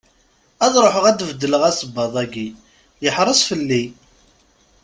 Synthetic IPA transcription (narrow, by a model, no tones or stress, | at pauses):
æðˤɾˤoħəʁæd̪vd̪ːələʁæsəbːɑðˤæɡi | jəħɾˤəsfəlːi